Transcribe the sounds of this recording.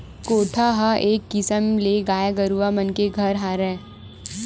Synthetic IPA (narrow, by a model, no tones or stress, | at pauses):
koːʈʰaɦaʔeːkːɪsəmleɡaːjaɡəɾuʋamənkeɡʱɐɾɦaːɾɛː